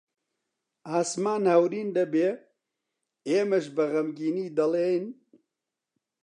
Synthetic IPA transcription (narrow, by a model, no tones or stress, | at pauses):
aːsmaːnhɛwɾiːnd̪ɐbeː | eːmɐʃ̬bɐɣɐmɡiːniːd̪ɐleːjn